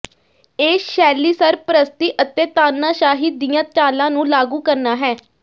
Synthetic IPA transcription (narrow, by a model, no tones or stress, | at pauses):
eːʃɛːliːsəɾpɾəst̪iːʔət̪eːt̪aːnːaːʃaːɦiːd̪ijãːt͡ʃaːlãːnũːlaːɡuːkəɾnaːɦɛː